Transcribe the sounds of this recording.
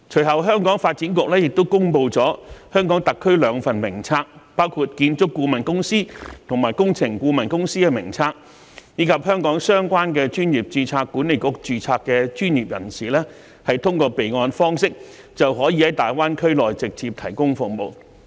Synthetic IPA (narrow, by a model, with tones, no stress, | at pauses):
t͡ʃʰɵ˨˩ɦɐ˨˩wɦœː˥ŋkɔː˨˥ŋfaː˧t̚t͡siː˨˥nkʊ˨˥k̚lɛː˥jɪ˨k̚t̪o˥wkʊ˥ŋpo˧wt͡sɔː˨˥hœː˥ŋkɔː˨˥ŋt̪ɐ˨kʰːɵ˥ɥlœː˨˧˥ŋfɐ˨nmɪ˨˩ŋt͡sʰaː˧k̚paː˥wkʰuː˧t̚kiː˧nt͡sʊ˥kːuː˧mɐ˨˩nkʊ˥ŋsiː˥t̪ʰʊ˨˩ŋmaː˨˩jkʊ˥ŋt͡sʰɪ˨˩ŋkuː˧mɐ˨˩nkʊ˥ŋsiː˥kɛ˧mɪ˨˩ŋt͡sʰaː˧k̚ | jiː˨˧˥kʰɐ˨p̚hœː˥ŋkɔː˨˥ŋsœː˥ŋkʷwaː˥nkɛː˧t͡ʃyː˥njiː˨˩p̚t͡siː˧t͡sʰaː˧kːuː˨˥ne˨˩jkʊ˧k̚t͡siː˧t͡sʰaː˧kːɛː˧t͡ʃyː˥njiː˨p̚jɐ̰˨˩nsiː˨˩lɛː˥ | hɐ˨jt̪ʰʊ˥ŋkɔː˧pe˨jŋɔː˧nfɔː˥ŋsɪ˥k̚ | t͡sɐ˨wɦɔː˨˥ji˧hɐ˨˦˥jt̪aː˨jwaː˥nkʰɵ˥ɥlɔː˨jt͡sɪ˨k̚t͡siː˧p̚t̪ʰɐ˨˩jkʊ˥ŋfʊ˨k̚mo˨w